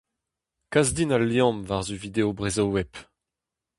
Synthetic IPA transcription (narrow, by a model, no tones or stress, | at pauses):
kazdinaljɑ̃mvaʁzyvid̪eobʁezowɛp